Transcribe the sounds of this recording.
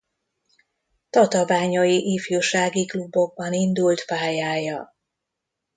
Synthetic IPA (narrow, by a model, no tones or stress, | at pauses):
t̪ɒt̪ɒvaːɲɒjiʔifjuːʃaːɡiklubːo̞ɡ̚bɒnind̪ult̪paːjaːjɒ